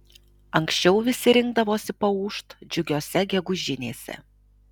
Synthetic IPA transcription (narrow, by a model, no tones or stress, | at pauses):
ɐŋksʲt͡ʃʲɛʊʋʲɪsʲɪɾʲɪŋɡd̪ɐʋoːsʲɪpɐuːʃt̪d͡ʒʲʊɡʲoːsʲɛɡʲɛɡʊʒʲɪnʲḛːsʲɛ̰